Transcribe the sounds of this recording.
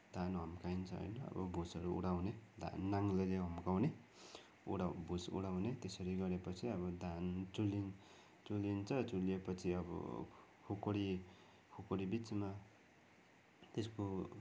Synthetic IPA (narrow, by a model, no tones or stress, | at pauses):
d̪ʱanɦʌmkaint͡sʰʌɦʌ̰jnʌʌ̰bʌ̰bʱusʌɾuṵɽawned̪ʱa̰nːaŋleleɦʌmkawne | ṵɽabʱusṵɽawnet̪esʌɾiɡʌɾepʌt͡sʰiʌbʌd̪ʱant͡sulin | t͡sulint͡sʰʌt͡sulijepʌt͡sʰiʌbʌ̰ | kʰokoɽi | kʰokoɾibit͡sma | t̪esko